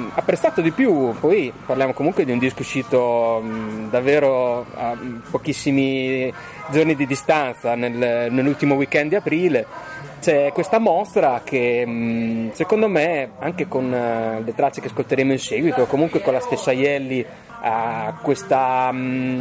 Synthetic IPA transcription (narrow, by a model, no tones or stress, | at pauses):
apːɾest̪aːt̪od̪ipjupɔjparljaːmokomuŋkwed̪iund̪iskouʃːiːt̪o | d̪avːeːɾoa̰pːok̟isːimi | d͡ʒornid̪id̪ist̪ant̪sanelnelːult̪imowikːɛnd̪apɾiːlet͡ʃɛkwest̪amɔst̪ɾakʰe | sekond̪omeaŋkekonlet̪ɾat͡ʃːekeaskolt̪eɾeːmoinseːɡwit̪oːkːomuŋkwekonlast̪esːajɛlːi | akwest̪a